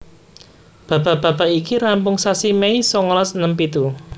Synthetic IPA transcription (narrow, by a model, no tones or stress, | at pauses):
b̥ä̤b̥a̤b̥ä̤b̥aʔikiɾampʊŋsasimeisɔŋlɔsnəmpit̪u